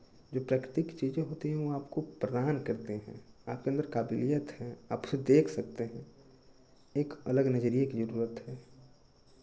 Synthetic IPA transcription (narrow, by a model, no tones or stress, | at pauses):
d͡ʒoːpɾaːkɾɪt̪ɪkt͡ʃiːd͡ʒẽɦoːt̪iɦɛ̃ʋoaːpkopɾəd̪aːnkɐɾt̪eɦɛ̰̃aːp̚keɐ̃nd̪əɾkaːbɪlijət̪ɦɛ̃a̰ːpʊ̥sed̪eːkʰsɐk̚t̪eɦɛ̃ | eːkələɡnəd͡ʒəɾijekid͡ʒəɾuːɾət̪ɦɛː